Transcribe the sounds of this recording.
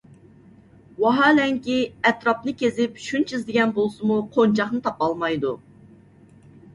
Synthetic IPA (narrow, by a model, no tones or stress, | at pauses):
wɑɦɑːlɛŋkʲiɛt̪ɾɑpnɨkʲezɪpʃunt͡ʃʰizd̪ɪɡʲɛnbolˠsɨmuqʰont͡ʃʰɑχnɨt̪ʰɑpɑlˠmɑjd̪u